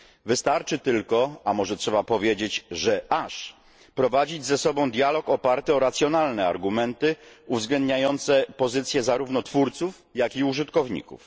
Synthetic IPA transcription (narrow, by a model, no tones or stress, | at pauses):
vɘst̪aɾt͡ʂɘt̪ɘlkɔamɔʐɛtʂɛbapɔvʲjed͡ʑet͡ɕʐɛʔaʂ | pɾɔvad͡ʑid͡ʑzɛsɔbɔ̃w̃d̪ʲjalɔkɔpaɾt̪ɘɔɾat̪sʲjɔnalnɛa̰ɾɡumɛnt̪ɘuvzɡlɛnd̪ɲajɔnt̪sɛpɔzɘt̪sʲjɛzaɾuvnɔt̪fuɾt̪suf | jakiuʐɘt̪kɔvɲḭkṵf